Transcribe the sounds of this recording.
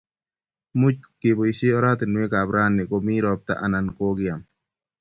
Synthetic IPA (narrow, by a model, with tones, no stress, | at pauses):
mʊ˦t͡ʃkki˨bɔ˨isi˦ɔ˦ɾa˦t̪ɪ˨nːu˨e˦ka˨bɾaː˦nːɛ˨kʼomi˦ɾɔp̚t̪a̰˦ʔana˨nkoː˦ɡɪ˦jam